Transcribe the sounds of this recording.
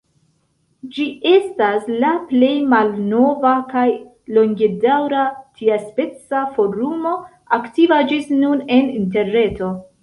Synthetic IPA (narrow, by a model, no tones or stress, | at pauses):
d͡ʒie̞staslaple̞jmalno̞vakaj | lo̞ŋɡe̞dawɾatʰiaspe̞t͡safo̞ɾumo̞ | aktivad͡ʒisnune̞ninte̞ɾne̞to̞